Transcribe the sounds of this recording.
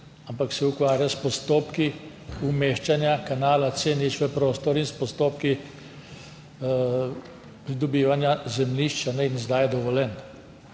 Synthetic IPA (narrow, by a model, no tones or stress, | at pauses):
ampaksɛukʋaːɾjaspɔst̪oːpki | umeːʃt͡ʃanjakanaːlat̪senit͡ʃʋɛpɾost̪ɔɾinspɔst̪oːpki | pɾid̪ɔbiːʋanjazɛmniʃt͡ʃanɛinzd̪ajɛd̪ɔʋɔlɛn